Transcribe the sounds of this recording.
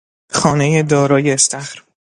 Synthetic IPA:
xɒːnejed̪ɒːɾɒːjeːst̪æxɾ

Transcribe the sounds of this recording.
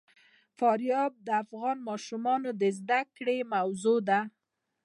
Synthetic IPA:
fɑɾjɑb̚d̪əafɣɑnmɑʃumɑnod̪əzd̪akɽemawzod̪a

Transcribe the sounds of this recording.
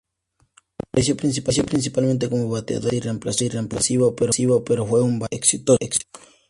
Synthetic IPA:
pɾesjopɾins̬ipas̬jopɾins̬ipalmẽnt̪̬ekomoβat̪ea̰ðoiremplasiremplasiβopeɾosiβopeɾofweumbaeksit̪oeksi̥t̪o̥

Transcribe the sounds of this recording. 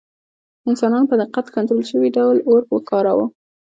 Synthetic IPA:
ɪnsɑnɑnopəd̪ɪqat̪kant̪ɾolʃəwiɖawloɾwəkɑɾawu

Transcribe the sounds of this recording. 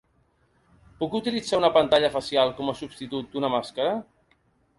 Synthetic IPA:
pukut̪ilid͡zaunəpənt̪aʎəfəsjalˠkɔməsubst̪it̪ut̪̚d̪unəmaskəɾə

